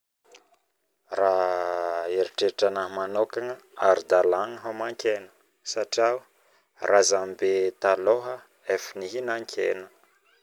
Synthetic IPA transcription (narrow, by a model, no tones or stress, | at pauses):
ra | eɾiʈ͡ʂeʈ͡ʂanamanokaŋəaɾid̪alaŋəɦamaŋkʲenə̥ | saʈ͡ʂiaw | razambet̪aloɦə | efiniɦinaŋkʰḛnə